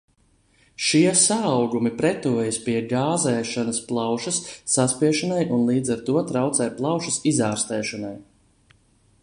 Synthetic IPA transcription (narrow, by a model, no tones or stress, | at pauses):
ʃiɛsaːwɡumipɾɛt̪uɔjispiɛɡaːzɛːʃanɐsplˠawʃɐsːaspiɛʃanajʔunlˠiːd̪zaɾt̪uɔt̪ɾawt̪sɛjplˠawʃɐsizaːɾst̪ɛːʃanaj